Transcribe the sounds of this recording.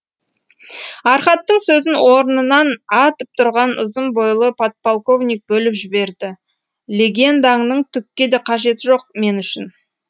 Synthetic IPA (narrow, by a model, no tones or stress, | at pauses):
ɑɾχɑt̪ːəɴsɵzɪnwʔo̞ɾənənɑnɑt̪əp̚t̪ʰʊɾʁɑnʊ̰zəmbojlˠəpʰot̪̚polˠko̞vnʲijk̚bɵlɪpʒɪbe̞ɾd̪ɪ | lʲe̞ɡʲe̞nd̪ɑŋnəɴt̪ʰʏkʲːe̞d̪eqʰɑʒe̞t̪ɪʒo̞q̚me̞nʏʃɪn